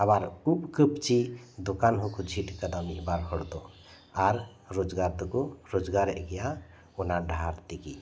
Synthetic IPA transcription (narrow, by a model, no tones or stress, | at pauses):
əbaɾupkəpt͡ʃid̪okanɦukud͡ʒʱiʈkəd̪amiɦbaɾɦɔɽt̪o | aɾ | ɾod͡ʒɡaɾt̪ukoɾod͡ʒɡaɾḛɡija | unaɖʱaɾt̪iki